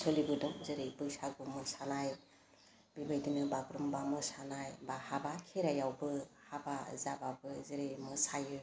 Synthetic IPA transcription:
sɔlibɯdɔŋzɯɾɯjbɯsaɡumɯsanaj | bibajdinɯbaɡɾumbamɯsanajbahabakʰeɾajawbɯhabazababɯzɯɾejmɯsajɯ

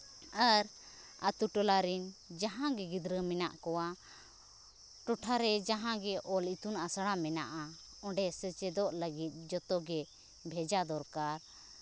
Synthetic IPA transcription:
aɾ | at̪uʈɔlaɾind͡ʒaɦãɡɛɡid̪ɾəmɛnaʔkɔwa | ʈɔʈʰaɾɛd͡ʒaɦãɡɛʔɔlit̪unasəɽamɛnaʔa | ɔ̃ɖɛsət͡ʃɛd̪ɔʔləɡit̪̚ˀd͡ʒɔt̪ɔɡɛ | bʱɛd͡ʒad̪ɔɾkaɾ

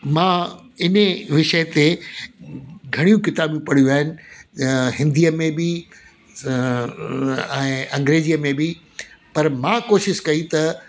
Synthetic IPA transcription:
mãː | ɪnʋɪʃəɦt̪e | ɡʱɐɽ̃ijũkɪt̪aːbjũpɐɽ̤ijuaːɦɪnɪ̆ | ɦɪ̃nd̪ijəmẽbɪ | ɛ̃ːɐ̃ŋɡɾeːd͡ʑijəmẽbi | pɐɾmãːkoːʃɪʃkɐit̪ɐ

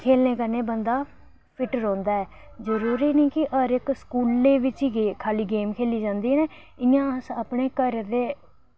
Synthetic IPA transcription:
kʰeːlneːkəɾneːbənd̪aː | pʰɪʈɾɔ̃ːnd̪aːɛː | zəɾuːɾiːnə̃ːkɪʔəɾɪkskuːlːeːʋɪt͡ʃiːekʰaːliːɡeːmkʰeːliːd͡ʒãːnd̪iːneː | ɪjãːəsaːpɳeːkəɾd̪eː

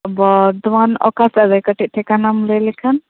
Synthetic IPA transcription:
bɔd̪manɔ̰kasazajkəʈit̪̚ʈʰɛkanamləjlɛkʰan

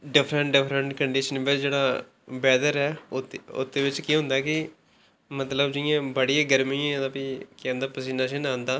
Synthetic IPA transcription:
ɖɪpʰɾəɳʈɖɪpʰɾəɳʈkəɳɖiːʃənʋɪt͡ʃd͡ʒeːɽaː | bɛːd̪əɾɛːʊ̰t̪ːeːʋɪt͡ʃkiːɦʊ̃nd̪aːkɪ | mət̪ləbd͡ʒɪjãːbəɽijaːɡəɾmĩːd̪apiːkɛ̃ːnd̪aːpəs̬iːnaːʃəːnãːnd̪aː

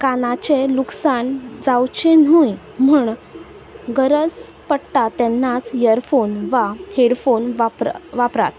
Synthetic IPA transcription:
kanat͡ɕeluksaɳd͡zawt͡ɕenuj | muːɳ | ɡəɾəd͡z | pəɽʈat̪ɛnːat͡sjəɾfonʋaheɽfonʋpʋapɾa̰t̪

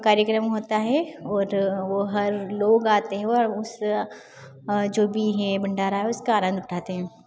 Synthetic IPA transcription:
kaːɾjəkɾəmɦoːt̪aɦɛɔːɾʋoɦɐɾloːɡaːt̪eɦɛ̃ɾʊs | d͡ʒoːbʱiɦɛbɐɳɖaːɾaːɦɛʊskaaːɾãːnd̪ʱʊʈʰaːt̪eɦɛ̃ː

